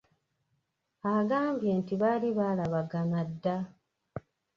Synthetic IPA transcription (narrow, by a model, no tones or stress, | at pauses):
aɡaːmbje̞ːntiβaliβaːlaβaɡanadːa